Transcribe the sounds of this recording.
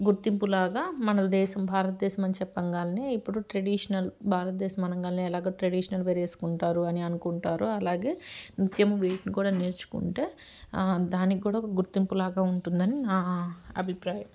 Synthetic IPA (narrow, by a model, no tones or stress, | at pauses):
ɡuɾt̪impulaːɡaːmɐnɐd̪ɛːʃɐmbʱaːɾɐt̪ɐd̪ɛːʃɐmɐnt͡ʃɛpːɐŋɡaːlɐneːipːuɽuʈɾɐɽiːʂɐnɐlbʱaːɾɐt̪̚d̪ɛːʃɐmɐnɐŋɡaːlɐneːlaːɡaːʈɾɐɽiːʂɐnɐlʋeːɾe̞ːsu̥kuɳʈaːɾuɐniɐnukuɳʈaːɾuɐlaːɡe̞ːnit̪jɐmuʋeːʈnikuːɽaːneːɾt͡ʃu̥kṵɳʈe̞ː | d̪aːnikkuːɽaːɔkɐɡuɾt̪impulaːɡaːuɳʈund̪ɐninaːɐ̰bʱipɾaːjɐm